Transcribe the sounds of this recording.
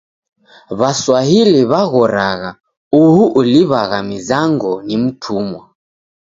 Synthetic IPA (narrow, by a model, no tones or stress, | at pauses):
βaswaɦiliβaɣɔɾaɣa | uhuʔuliβaɣamizaŋɡɔnim̩tʰumwa